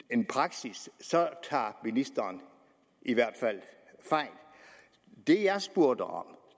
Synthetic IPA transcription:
e̝npʰʁɑ̈ɡ̥sissɒ̽t͡sʰɑ̰̈ːminisd̥ɐːn | ʔiʋæɐ̰d̥fæl̰ | fɑ̈ɪ̰l̥ | d̥e̝jɑ̈ɪsb̥oɐ̰d̥ɐɒ̽m̰

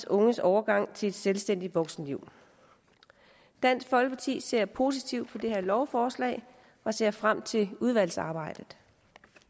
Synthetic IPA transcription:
sɔ̽ŋəsɒʊɐɡ̥ɑ̈ŋ̰t͡sʰe̝ed̥selsd̥en̰d̥i̥ʋɒ̽ɡ̥sn̩liʊ̰ | d̥æn̰sɡ̥fɒ̽lɡ̥əpʰɑ̈t͡sʰḭːse̝ɐ̰pʰo̝s̬it͡sʰiʊ̰d̥̚pʰɒ̽d̥e̝heɐ̰lɒʊfɒːslɛ̰ːɪ | ɒ̽se̝ɐ̰fʁam̰t͡sʰe̝uð̞ˠʋæl̰sɑ̈ːb̥ɑ̈ɪ̰d̥ð̩ˠ

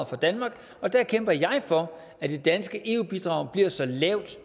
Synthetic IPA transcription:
fɒ̽d̥ænmɑ̈ːɡ̥ | ɒ̽d̥æɐkʰemb̥ɐjɑ̈ɪfɒ̽ | æd̥e̝d̥ænsɡ̥əʔe̝ːub̥id̥ʁɑ̈ʊb̥liɐ̰sɒ̽lɛʊd̥

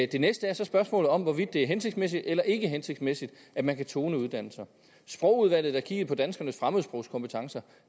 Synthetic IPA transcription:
d̥e̝nesd̥əæɐsɒ̽sb̥ɶɐsmɔ̰̽ːlð̩ˠɒ̽mʋɒʋid̥ːe̝æɐɦenseɡ̥smesid̥elɐʔe̝ɡ̥əɦense̝ɡ̥mesid̥ | ʔæ̥mænkʰæt͡sʰo̝ːnəuð̞ˠd̥æn̰l̩sɐ | sb̥ʁɔ̽ʊuð̞ˠʋæl̰ð̞̩ˠæɐkʰḭɡ̥̩ˠpʰɒ̽d̥ænsɡ̥ɐnəsfʁaməð̩ˠsb̥ʁɔ̽ʊskʰɒ̽mpʰə̥t͡sʰɑ̈ŋsɐ

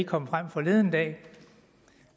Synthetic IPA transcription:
kʰɒ̽m̰fʁam̰fɒ̽le̝ð̞ˠənd̥ɛ̰ː

